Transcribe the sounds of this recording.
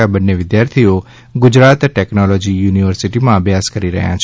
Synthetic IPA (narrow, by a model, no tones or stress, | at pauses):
abənːeʋɪd̪jaɾt̪ʰio | ɡʊd͡ʒɾat̪ʈɛknɔlɔd͡ʒijuːniʋəɾsiʈimãəbʱjaskəɾiɾə̰ɦjã̰t͡ʃʰ